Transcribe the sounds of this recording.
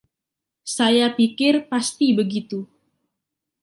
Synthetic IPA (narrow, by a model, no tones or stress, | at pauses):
sajapikɪrpast̪ibəɡit̪u